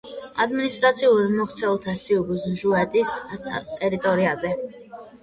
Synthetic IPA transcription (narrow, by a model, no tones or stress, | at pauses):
ad̪minist̪ʼɾat̪sʰiuɾimɔkʰt̪sʰɛlˠt̪ʰasiuɡzʒuɛt̪ʼist̪ʼɛɾit̪ʼɔɾiazɛ